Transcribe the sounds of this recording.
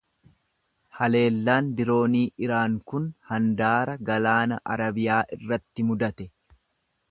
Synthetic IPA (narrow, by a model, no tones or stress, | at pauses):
hɐle̞ːlːaːnd̪ɪɾo̞ːniːʔɪɾaːŋkʊnhɐnd̪aːɾɐɡɐlaːnɐ̰ʔɐ̰ɾɐbɪjaːʔɪrːɐt̪ːɪmʊd̪ɐt̪ɛ